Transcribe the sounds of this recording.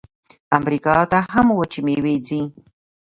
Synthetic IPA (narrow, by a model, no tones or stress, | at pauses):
amɾɪkɑːt̪aɦamwat͡ʃɪmewed͡zi